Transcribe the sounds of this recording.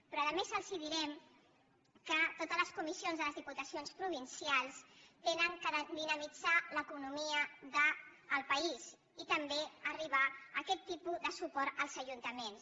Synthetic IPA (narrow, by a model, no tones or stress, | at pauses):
pɾɔəðəmesəlˠsiðiɾɛm | kət̪ot̪əzləskumisionzðələzðiput̪əsionspɾuβ̞insialˠst̪enəŋkəðd̪inəmid͡zaləkunumiəðəːlˠpəis | it̪əmbeəriβaəkɛt̪ːipuðəsupɔɾt̪əlˠzəʒunt̪əmens